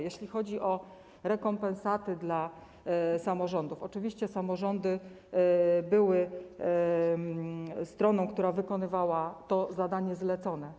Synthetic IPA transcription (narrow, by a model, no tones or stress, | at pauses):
jɛɕlʲixɔd͡ʑiʔɔ | ɾɛkɔmpɛ̃nsat̪ɘd̪la | samɔʐɔnd̪ufɔt͡ʂɘvʲiɕt͡ɕɛsamɔʐɔnd̪ɘ | bɘwɘ | st̪ɾɔnɔ̃w̃k̚t̪uɾavɘkɔnɘvawat̪ɔzad̪aɲɛzlɛt̪sɔn̪ɛ